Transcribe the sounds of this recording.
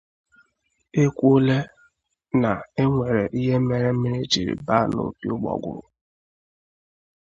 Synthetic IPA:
e˦kʷo˦le˦ | na˨e˦ŋʷe˨ɾe˨ʔi˦ɦe˦me˨ɾe˦mi˦ɾi˦d͡ʒi˨ɾḭ˨ba˦no̰˨pi˦ʊ˦ɡ͡bɔ̰˨ɡʷʊ̰˨ɾʊ˨

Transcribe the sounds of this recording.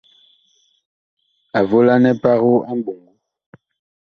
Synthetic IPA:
a˨vo˦la˦nɛ˦pa˦ɣo˦a˦m˦bu˨ŋɡu˦

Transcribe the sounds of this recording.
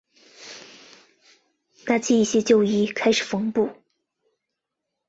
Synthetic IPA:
na˥˩t͡ɕʰi˥˧i˥˩ɕjɛ˥t͡ɕjo˥˧ʊi˥˩kʰa˥ɪʂɻ̩˨˩fɤ˧˥ŋpu˥˩

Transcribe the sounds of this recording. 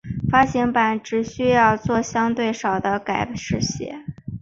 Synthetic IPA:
fa˥ɕi˧˥ŋpa˧˩nʈ͡ʂɻ̩˧˥ɕy˥jɑ˥˧ʊt͡swɔ˥˩ɕjɑ˥ŋt̪we˥˩ɪʂɑ˨˩ʊd̪ə˦ka˨˩ɪʂɻ̩˥˩ɕjɛ̰˧˥

